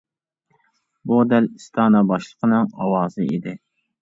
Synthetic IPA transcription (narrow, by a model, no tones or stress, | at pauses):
bud̪ɪlist̪ʰɑːnɑbɑʃlˠəqʰənɨŋɑwɑːzɨid̪ɪ